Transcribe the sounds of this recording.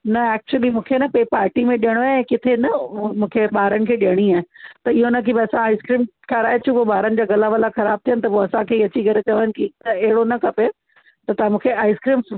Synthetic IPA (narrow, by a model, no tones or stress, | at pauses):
nɐɛːk̚t͡ɕuəlimũːkʰenɐpepaːɾʈimẽɗijəɽ̃oaɛ̃ːkɪt̪ʰenɐmũːkʰeɓaːɾənɪ̆kʰeːɗiəɽ̃iãːt̪ɐɪɦonɐkʰibɐɐsãaːɪskɾiːmkʰaːɾaːɦet͡ɕʰũpoɓaːɾənɪ̆d͡ʑaːɡɐlaʋɐlaxɐɾaːb̚t̪ʰijənɪt̪ɐpoɐsãkʰeːiɐt͡ɕiɡɐɾet͡ɕɐʋnɪ̆kit̪ɐɛɦɪɽonɐkʰɐpe | t̪ɐt̪ɐãmũːkʰeaːɪskɾiːm